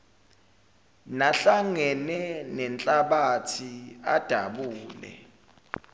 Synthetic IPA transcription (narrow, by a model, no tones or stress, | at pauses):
naɬaŋɛnɛnɛnt͡ɬʼaɓatʰiad̥ʱaɓuːlɛ̰